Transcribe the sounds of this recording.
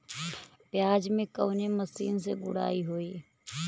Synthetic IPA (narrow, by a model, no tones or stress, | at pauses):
pɪjaːd͡ʒmẽːkəːneːməsiːnsḛːɡʊɽa̰ːiːɦoːiː